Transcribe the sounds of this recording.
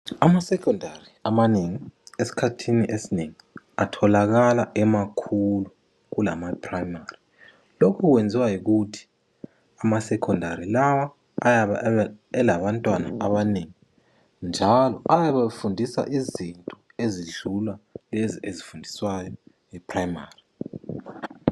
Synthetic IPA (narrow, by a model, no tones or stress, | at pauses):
amasɛkʰɔndʱariamaneŋiesi̥kʰatʰiniʔesineŋi | atʰɔlaɣalaʔɛmakʰulu | ɣula̰mapʰʼrajmari | lokʰukwend͡zʱiwajik̬utʰi̥ | amasɛkʰɔndʱaɾilawaː | jaβaɛlaβantʼwana̰ʔaβaneŋi | nd͡ʒʱalɔʔajaβafundʱisa̰ʔizintʼɔ | eziɮulwaleziezifundʱiswajɔ | ipʰʼrajmaːri